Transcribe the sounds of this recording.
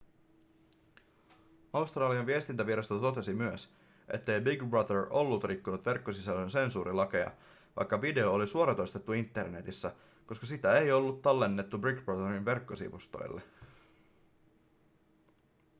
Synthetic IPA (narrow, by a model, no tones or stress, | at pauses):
ɑust̪rɑːliɑnʋie̞st̪int̪æʋiɾɑst̪ot̪ot̪e̞simyøs | ʔe̞̰t̪ːe̞jbiɡbrɑd̪ero̞lːut̪rikːunut̪ʋe̞rkːosisælːønse̞nsuːɾilɑkeɑ̰ | ʋɑ̰jkːɑʋide̞oːlisuoɾɑt̪o̞jst̪e̞t̪ːuint̪ːe̞rne̞t̪isːæ | ko̞skɑsit̪æejo̞lːut̪ːɑlːe̞nːet̪ːubriɡbɑðerinʋe̞rkːo̞sḭʋust̪o̞̰jlːḛ